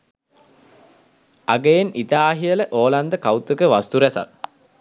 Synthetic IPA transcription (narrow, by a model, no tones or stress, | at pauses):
aɡejenit̪aːɦijələʔoːland̪əkawt̪əkəʋast̪uɾæsa̰k̚